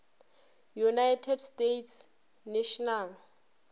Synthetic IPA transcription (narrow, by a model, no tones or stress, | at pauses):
junajtʰɛdstetʰs | neʃɔnal